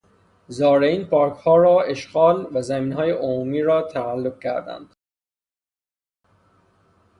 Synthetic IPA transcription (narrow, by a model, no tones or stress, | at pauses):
zɒːɾeiːnpʰɒːɾkhɒːɾɒːe̞ʃɢɒːlvæzæmiːnɦɒːjeʔomuːmiːɾɒːt̪ʰæælːoɡ̚cʰæɾd̪æ̰nd̪̥